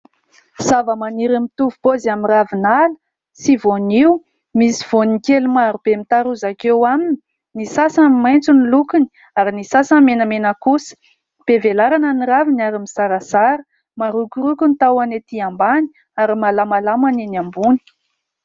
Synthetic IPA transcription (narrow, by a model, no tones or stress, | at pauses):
zavəmaniɾimit̪uvupozamiravinalə̥ | sivoniw | misi̥v̥onikelumaɾub̥emit̪aɾuzakewamini | nisasamimajnt͡sunilukuni̥ | aɾinisasamenəmenəkusə̥ | b̥evelaɾanəniɾavinaɾimisaɾəsaɾə | maɾukʲuɾukunit̪awanet̪iambani̥ | aɾimalamalamanenambuni̥